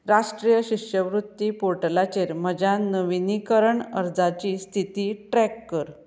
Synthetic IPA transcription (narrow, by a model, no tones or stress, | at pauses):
ɾaʂʈɾijəɕiʂjəʋɾut̪ːipoɾʈəlat͡ɕeɾməd͡ʑʱanəʋinikəɾəɳə̰ɾd͡zat͡ɕiːst̪ʰit̪iːʈɾɛkːəɾ